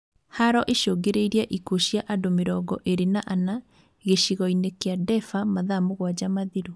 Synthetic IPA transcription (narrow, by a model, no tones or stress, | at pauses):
haɾɔʔeʃoɡeɾeiɾiaʔikoɕjaʔadomeɾɔɡɔʔeɾenaʔana | ɣeʃiɣɔinekeadɛfamaðamoɣwad͡ʑamaðiɾo